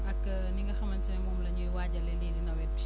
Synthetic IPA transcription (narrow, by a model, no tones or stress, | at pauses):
ɐk | niŋɡɐxɐmɐntɛmɔːmlɐɲuwaːɟɐlɛliːdinɐwɛt̚bi